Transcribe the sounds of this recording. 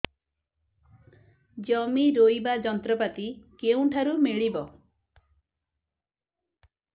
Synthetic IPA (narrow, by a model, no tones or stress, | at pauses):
d͡ʒɔmiɾojbad͡ʒɔnt̪ɾɔpat̪ikeũʈʰaɾumeɭibɔ